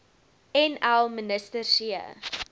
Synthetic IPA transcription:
ɛnælˠmənəstərsiə̰

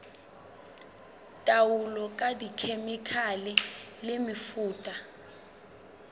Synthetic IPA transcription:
tʼawulɔkʼadikʰemikʰalɛlemifuːtʼa

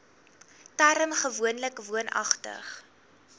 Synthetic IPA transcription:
tæɾəmχəvuənləkvuənɐ̰χtə̰χ

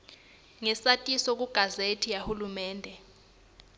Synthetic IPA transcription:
ŋɛsatʼisɔk̬ʼuɡ̥ʱazetʰijahulumɛːndʱɛ

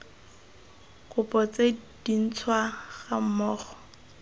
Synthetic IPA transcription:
kʼʊpʼɔt͡sed̥in̩t͡sʰwaɣam̩mɔːχɔ̥

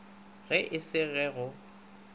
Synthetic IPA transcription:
ɣɛʔɪsɪɣɛɣʊ

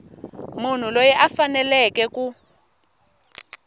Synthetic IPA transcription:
mun̤ulojɛʔafanɛlɛkɛku

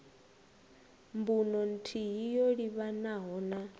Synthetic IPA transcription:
mbunɔn̩tʰiɦijoɺiβanaɦɔːna

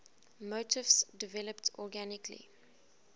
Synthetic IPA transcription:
motʰɪvsdɪvɛləptʰɔɡænɪkʰlḭ

